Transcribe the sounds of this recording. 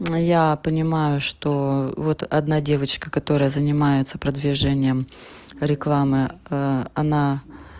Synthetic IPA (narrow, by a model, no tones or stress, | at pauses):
japənʲɪmajʊʂt̪ovo̞t̪ɐ̰d̪nadʲe̞vət͡ɕkəkɐt̪o̞ɾəjəzənʲɪmajɪt̪sə̥pɾəd̪vʲɪʐɛnʲɪjəm | ɾʲɪklˠamɨ | ɐna